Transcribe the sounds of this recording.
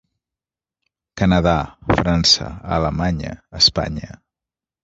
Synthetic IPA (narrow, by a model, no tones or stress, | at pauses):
kənəðafɾansə̰ə̰ləmaɲə̰əspa̰ɲə